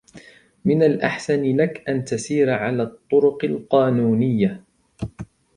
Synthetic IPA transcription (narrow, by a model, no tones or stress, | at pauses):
mɪnalʔaħsanlakʔant̪asiːɾʕalaːt̪ˤːʊɾʊqɪlqɑːnuːnɪjːa